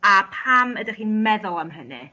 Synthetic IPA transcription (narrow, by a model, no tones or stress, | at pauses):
apʰamədaχiːnmɛðʊlˠamɦənɨ̰